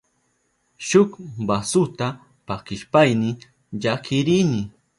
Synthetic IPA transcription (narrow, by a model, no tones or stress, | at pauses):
ʃʊkbasʊt̪a | pakɪʃpajnɪ | ʎakʰɪɾijnɪ